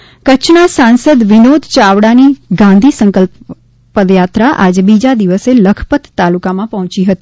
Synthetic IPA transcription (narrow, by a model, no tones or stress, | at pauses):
kət͡ʃʰnasãnsəd̪ʋɪnod̪ʱt͡ʃaʋɽaniɡãnd̪ʱisə̃ŋkəlp | pəd̪jat̪ɾaʔad͡ʒbid͡ʒad̪iʋəseləkʰpət̪ːalukamãpəɦɔ̃t͡ʃiɦət̪i